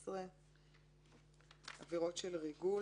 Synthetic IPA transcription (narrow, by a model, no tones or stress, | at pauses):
sʁe | aviʁo̞tʃelʁiɡu